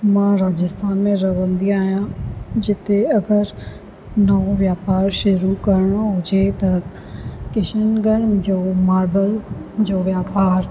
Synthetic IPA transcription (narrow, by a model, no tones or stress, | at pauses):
mãɾaːd͡ʑɪst̪aːnmẽɾɐʋə̃nd̪iaːɦijãd͡ʑɪt̪eɐɡəɾ | nɐõʋjaːpaːɾʃʊɾukɐɾɪɽ̃oɦʊd͡ʑet̪ɐ | kɪʃənɡəɾmd͡ʑoːmaːɾbəld͡ʑoːʋjaːpaːɾ